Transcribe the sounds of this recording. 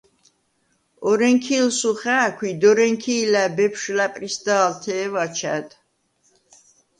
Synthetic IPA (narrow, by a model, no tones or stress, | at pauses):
ɔɾɛŋkʰilsuχæːkʰwid̪ɔɾɛŋkʰiːlæbɛpʰʃlapʼɾisd̪aːlt̪ʰɛːvat͡ʃʰæ̰d̪